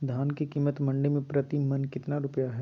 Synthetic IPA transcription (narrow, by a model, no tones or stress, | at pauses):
d̪ʱaːnkekiːmət̪mɐ̃ɳɖemẽpɾɐt̪imɐnkɪt̪naɾʊpəjaɦɛː